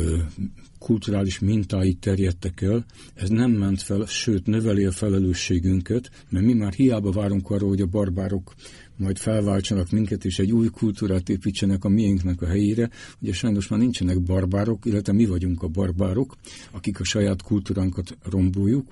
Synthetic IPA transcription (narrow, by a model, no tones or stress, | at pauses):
kʰult̪uɾaːliʃmint̪aːjit̪ːɛrjɛt̪ːɛkɛl | ɛznɛmːɛnt̪fɛlʃøːt̪nø̞vɛliɒfɛlɛløːʃːeːɡyŋkɛt̪ | mɛrmimaːrhijaːbɒvaːɾuŋkɒroːlho̞ɟɒbɒrbaːɾo̞k | mɒjt̪fɛlvaːlt͡ʃɒnɒkmiŋkɛt̪eːʃɛɟːuːjkʰult̪uːɾaːt̪eːpit͡ʃːɛnɛkɒmijiŋknɛkɒɦɛjeːɾɛhoɟɛʃɒjno̞ʃmaːrnint͡ʃɛnɛɡbɒrbaːɾo̞kilːɛt̪ʋɛmivɒɟuŋkɒbɒrbaːɾo̞kɒkikɒʃɒjaːt̪kʰult̪uːɾaːŋkɒt̪ro̞mboːjːuk